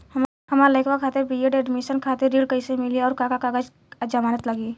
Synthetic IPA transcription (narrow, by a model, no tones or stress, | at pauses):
hɐmaːɾləɪkʰʋakʰaːt̪ɪɾbijeɖeːɖmiʃənkʰaːt̪ɪɾːiːɖkəɪsemɪliɔːɾkakakaɡəd͡ʒ | d͡ʒəmaːnət̪lɐɡiː